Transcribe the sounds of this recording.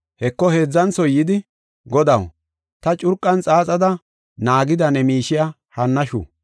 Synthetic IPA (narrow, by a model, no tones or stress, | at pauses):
hɛkːɔheːd͡zːɐnsɔjːɪd̪ɪ | ɡɔd̪ɐw | t̪ɐt͡ʃʼʊɾkʼːɐnt͡sʼaːt͡sʼɐd̪ɐ | naːɡɪd̪ɐnɛmiːʃɪja | hɐnːɐʃṵː